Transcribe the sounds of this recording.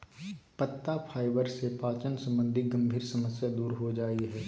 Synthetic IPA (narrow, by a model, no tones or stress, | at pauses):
pət̪ːapʰaːɪbəɾsepaːt͡ʃənsɐ̃mbə̃nd̪ʱiɡɐ̃mbʱiːɾsɐməsjad̪uːɾɦod͡ʒaːiɦɛː